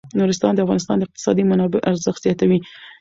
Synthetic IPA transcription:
nuɾɪs̬t̪ɑnd̪əafɣɑnɪst̪ɑnd̪əɪq̚t̪ɪ̥sɑd̪imanɑbɪʔaɾzəxt̪zjɑt̪awi

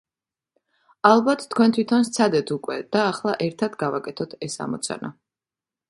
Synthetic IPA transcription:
alˠbat̪ʰt̪ʰːkʰwɛnt̪ʰwit̪ʰɔnst̪sʰad̪ɛt̪ʰukʼwɛd̪̥aːχlˠaʔɛɾt̪ʰad̪ɡavakʼɛt̪ʰɔt̪ʰɛsa̰mɔ̰t̪sʰa̰na̰

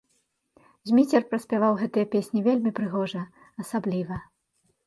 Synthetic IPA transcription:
zʲmʲit͡sʲɛrpɾɐsʲpʲavawɣɛt̪ɨjɐpʲesʲnʲivʲelʲmʲipɾɨɣɔʐɐ | ɐsablʲivɐ

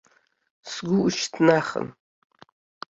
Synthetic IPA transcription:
sɡʷʊuʃtʰnaχə̰n

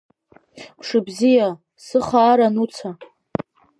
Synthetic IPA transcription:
pʰʂɨbzija | sɨχaːɾanut͡sʰa

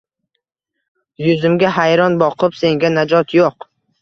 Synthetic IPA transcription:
jʊzɪmɡʲaɦajɾɒnbɒqʰɨpse̞ŋɡʲanad͡ʒɒt̪joq

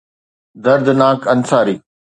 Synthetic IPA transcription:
d̪ɐɾd̪naːkɐnsaːɾiː

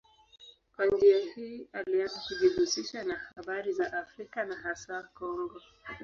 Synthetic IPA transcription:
kwand͡ʒiahiːalianzakuʄiɡusiʃanahaɓaɾizaʔafɾikanaɦasakɔŋɡɔ

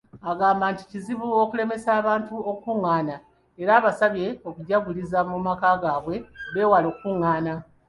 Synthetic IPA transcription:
aɡaːmbaːnti̥ciziβuo̞kule̞me̞saːβaːntuo̞kuŋːaːna | e̞ɾaːβasaβje̞o̞kuɟaɡulizamumakaːɡaːβwe̞βe̞ːwalo̞ːkkuŋːaːna

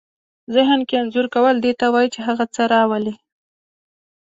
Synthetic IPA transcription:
zɪɦnkeanzuɾkawəld̪et̪awɑjt͡ʃeɦaɣat͡səɾɑwəli

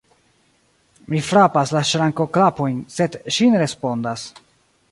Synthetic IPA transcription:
mifɾapaslaʃɾaŋko̞klapo̞jnse̞dʃineɾe̞spo̞ndas

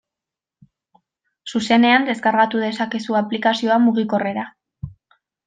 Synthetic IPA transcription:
suse̞ne̞and̪e̞skaɾɣat̪uðe̞sake̞suaplikasio̞amuɣ̞iko̞re̞ɾa

